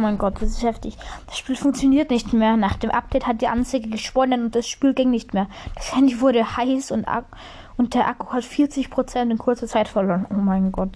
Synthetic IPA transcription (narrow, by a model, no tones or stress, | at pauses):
maɪnɡɔt̚d̥asɪsthɛftɪçd̥asʃpiːlfʊŋkt͡sjoniːɐtnɪçtmeːɐnaːχd̥eːmʔap̚d̥ɛɪthat̚d̥iːʔa̰nt͡saɪɡəɡəʃpɔnɐtʊnt̚d̥asʃpiːlɡɪŋnɪçtmeːɐd̥ashɛndiːvʊɐɾəhaɪsʊntʔa̰ | ʔʊnt̚d̥eːɐʔaku̥hatfiːɐt͡sɪçpʁ̥ot͡sɛntɪnkʰʊɐt͡sɐt͡saɪtfɛɐloːɐnʔoːmaɪnɡɔt